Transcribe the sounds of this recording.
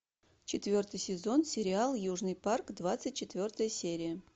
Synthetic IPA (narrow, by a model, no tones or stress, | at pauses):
t͡ɕɪt̪vʲo̞rt̪ɨjsʲɪzo̞nsʲɪɾʲɪalˠjuʐnɨjparkd̪vat̪sɨt̚ʲt͡ɕɪt̪vʲo̞rt̪əjəsʲeɾʲɪjə